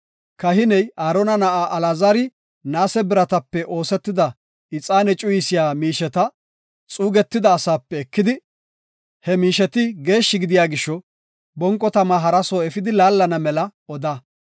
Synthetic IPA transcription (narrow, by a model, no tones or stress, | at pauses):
kɐɦɪnɛjaːɾɔnɐnɐʔaːʔɐlaːzaːɾɪ | naːsɛbɪɾɐt̪ɐpːɛʔo̞ːsɛt̪ːɪd̪ɐ | ɪt͡sʼaːnɛt͡ʃʼʊjɪsɪjaːmiːʃɛt̪ɐ | t͡sʼuːɡɛt̪ːɪd̪ɐːsaːpːɛːkːɪd̪ɪ | hɛmiːʃɛt̪ɪɡe̞ːʃːɪɡɪd̪ɪjaːɡɪʃːɔ | bɔŋkʼːɔt̪ɐmaɦɐɾɐsoːɛfɪd̪ɪlaːlːɐnɐmɛlɐɔd̪ɐ